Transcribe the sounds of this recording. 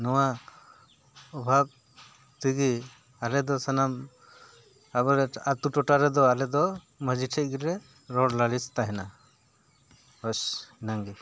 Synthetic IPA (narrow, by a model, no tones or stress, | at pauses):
nɔwa | ɔbʱab̚ | t̪iɡi | alɛd̪ɔsanam | abɔɾɛat̪uʈɔʈaɾɛd̪ɔalɛd̪ɔ | məd͡ʒiʈʰɛc̚ɡiɾɛ | ɾɔɽlaɽist̪aɦɛna | hɔsinaŋɡi